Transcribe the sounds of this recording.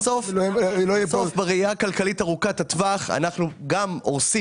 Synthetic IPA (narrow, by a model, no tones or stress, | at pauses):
sofloɛsofbeʁeiakalkalitaʁukatatvaχa̰naχnuɡamoʁsi